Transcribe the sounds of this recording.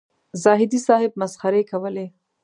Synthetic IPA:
zɑɦɪd̪isɑhɪb̚masxaɾekawəle

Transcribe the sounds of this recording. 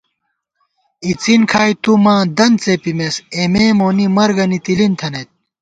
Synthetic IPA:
it͡sinkʰaːjt̪umãːd̪ɐnt͡sepimesemeːmoːnimɐɾɡɐnit̪ilint̪ʰɐnet̪̚

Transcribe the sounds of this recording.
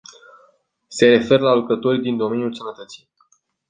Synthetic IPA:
se̞ɾe̞fe̞ɾəlalukɾət̪o̞rʲd̪ind̪o̞me̞njulsənət̪ət̪si̥j

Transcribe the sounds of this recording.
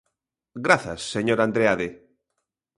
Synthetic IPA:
ɡɾaθa̰sːeɲoɾand̪ɾeaðe

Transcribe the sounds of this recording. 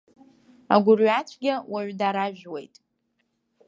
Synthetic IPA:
a̰ɡʷʊrɥat͡ʃʷʰɡʲawaɥdaɾaʒᶣwe̞̰jtʼ

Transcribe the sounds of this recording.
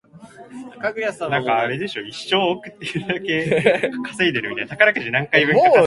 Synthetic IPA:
kaɡɯ̟jasãnãŋkaːɾe̞d̪e̞ɕo̞iɕːo̞ːokɯ̟t̪ːejɯd̪ake̞kʰḁseid̪e̞ɾɯmit̪ajnt̪ḁkaɾakɯ̟ʑinãŋkaibɯ̃a

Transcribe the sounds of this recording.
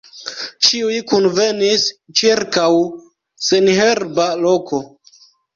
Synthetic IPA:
t͡ʃiujkunve̞nist͡ʃiɾkaw | senɦeɾbalo̞kʰo̞

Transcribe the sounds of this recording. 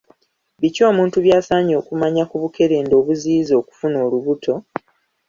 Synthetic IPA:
βico̞ːmuːntuβjaːsaːɲo̞ːkumaɲakuβuke̞ɾe̞ːndo̞ːβuziːzo̞ːku̥funo̞ːluβutʰo̞

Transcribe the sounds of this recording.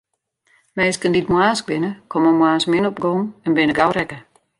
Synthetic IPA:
meːskənditmwaːsk̚bɪnəkʰoməmwaːsmɪnɔpɡɔŋɛnbɪnəɡawɾɛkə

